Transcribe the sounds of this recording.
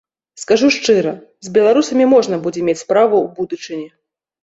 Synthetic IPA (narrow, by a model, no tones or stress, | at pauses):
skaʐuʂt͡ʂɨɾɐ | zʲbʲɛlˠaɾusɐmʲimɔʐnɐbud͡zʲɛmʲet͡sʲspɾavuwbud̪ɨt͡ʂɨnʲɛ